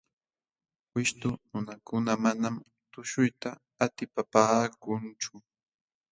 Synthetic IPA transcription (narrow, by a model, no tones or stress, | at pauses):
wɪʃt̪ʊnʊnakʊnamanam | t̪ʊʃʊjt̪aː | t̪ɪpapaːkʊnt͡ʃʊ